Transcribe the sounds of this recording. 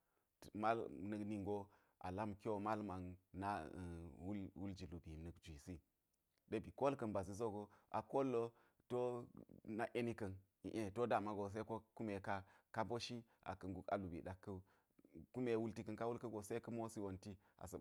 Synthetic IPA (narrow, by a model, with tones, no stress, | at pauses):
ma˦lnə˨kni˨ŋɡo˦ | ʔa̰˨la˦mki˦wo˨ma˦lma˨ŋna˦˨wu˦lwu˦ld͡ʒi˨lu˨bi˨nə˨kd͡ʒʷi˨si˦ | de˦bi˨ko˦lkɐ˨nba˨zi˨zo˦ɡo˨ʔa̰˨ko˦lːo˦ | to˦na˦ʔe˦ni˦kɐ˨n | ḭ˨ʔe˦˨to˦da˨ma˨ɡo˨s̬e˦ko˦ku˦me˨ka˦ka˦bo˦ʃi˦a̰˨kɐ˨nɡu˨ka̰˨lu˨bḭ˨ɗa˨kːɐ˦ | ku˦me˨˦wu˦lti˦kɐ˦nka˦wu˦lkɐ˦ɡo˨se˦kə˦mo˦si˦wo˨nti˦ | a̰˨sə˨